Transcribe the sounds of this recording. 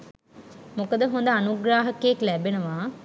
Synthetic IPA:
mokəd̪əɦond̪əanuɡɾaːɦəkeeklæbenəʋaː

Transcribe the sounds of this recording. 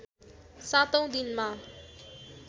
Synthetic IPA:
sat̪ʌ̃w̃d̪inma

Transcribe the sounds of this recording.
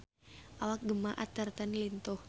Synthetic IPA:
ʔawak̚ɡəmaʔat̪ərt̪anlint̪ɔh

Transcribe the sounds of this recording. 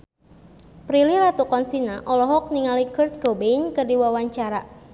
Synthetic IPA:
pɾiliɾat̪ukɔnsinaʔɔlɔɦɔk̚niŋalikərt̪̚ɡ̥obejnkərdiwawaɲt͡ʃaɾa

